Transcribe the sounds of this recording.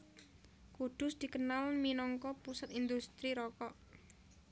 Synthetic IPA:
kud̪̥ʊsd̪̥i̤kənalminɔŋkɔpusat̪ind̪ust̪ɾiɾɔkɔʔ

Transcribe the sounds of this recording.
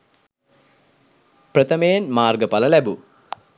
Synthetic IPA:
prət̪əmejenmaːrɡəpaləlæbu

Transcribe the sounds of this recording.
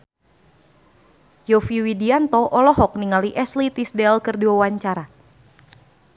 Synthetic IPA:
jɔfiwidiant̪ɔʔɔlɔɦɔk̚niŋaliʔɛslit̪isdɛlkɨrdiwawaɲt͡ʃaɾa

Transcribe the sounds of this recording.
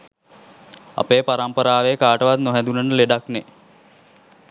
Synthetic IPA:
a̰peːpaɾampəɾaːʋekaːʈəʋat̪noɦɛd̪unənəleɖakne

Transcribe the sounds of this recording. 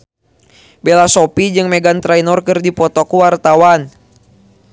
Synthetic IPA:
belasɔpid͡ʒɨŋmɛɡant̪ɾainɔrkɨrdipɔt̪ɔkuwart̪awan

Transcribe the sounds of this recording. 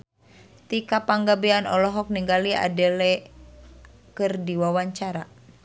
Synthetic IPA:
t̪ikapaŋɡabɛanɔlɔɦɔk̚niŋɡalia̰dɛlɛ | kɨrdiwawaɲt͡ʃaɾa

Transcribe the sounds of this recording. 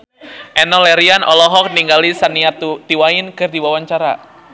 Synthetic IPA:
ʔɛnɔlɛɾianʔɔlɔɦɔk̚niŋɡalisaniat̪iwaɪnkɨrdiwawaɲt͡ʃaɾa̰

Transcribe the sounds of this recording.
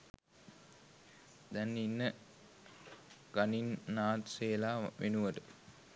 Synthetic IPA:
d̪ɛnːinːə | ɡ̥aninːaːt̪seːlaːʋenuʋəʈə

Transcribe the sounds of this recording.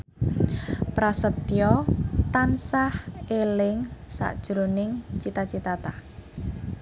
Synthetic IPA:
pɾasət̪ijɔt̪ansahelɪŋsa̰ʔd̥ʒ̥ɾonɪŋt͡ʃit̪at͡ʃit̪at̪a

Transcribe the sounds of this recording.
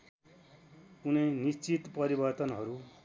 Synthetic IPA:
unʌjnist͡sit̪pʌɾibʌrt̪ʌnɦʌɾu

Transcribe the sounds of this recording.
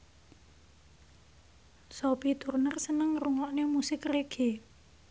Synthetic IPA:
sopit̪urnərsənəŋruŋɔʔnemusɪkreɡ̥e

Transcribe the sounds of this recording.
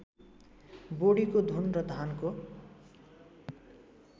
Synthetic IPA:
boɽikod̪ʱunrʌd̪ʱanko

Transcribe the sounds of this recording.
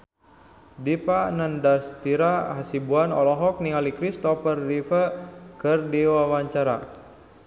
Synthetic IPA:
dipanəndast̪iɾaɦasibuanɔ̰lɔɦɔk̚niŋalikɾist̪ɔpərːifəkərdiwawaɲt͡ʃaɾa̰

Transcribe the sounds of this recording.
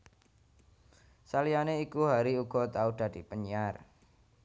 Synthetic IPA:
salianeikuɦaɾiuɡ̥ɔ̤t̪aud̥a̤d̥i̤pəɲiar

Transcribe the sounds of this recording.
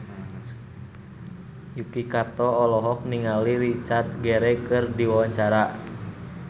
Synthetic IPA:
jukikat̪ɔɔlɔɦɔk̚niŋaliɾit͡ʃart̪̚ɡɛɾɛkɨrdiwawaɲt͡ʃaɾa

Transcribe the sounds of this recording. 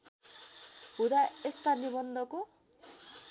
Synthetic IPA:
ɦud̪aest̪anibʌnd̪ʱʌko

